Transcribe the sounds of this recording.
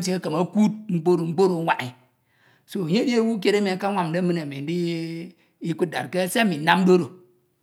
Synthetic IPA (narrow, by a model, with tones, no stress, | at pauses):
t͡ʃe˦a˦kə˨ma˦ku˦t̚ŋ͡m̩˦k͡po˦ɾo˨ŋ͡m̩˦k͡po˦ɾo˨˦wʷa˨ʔi˨ | so˦˨ɲe˦di˦wu˦k̬ʲe˦ɾa˦mi˨˦ka˦wʷa˨mdə˦mɨ˦na˨me˨n˦di˦ | i˦ku˦t̚da̰˨ɾkə˦se˦mi˨˦na˦m˦do˦ɾo˨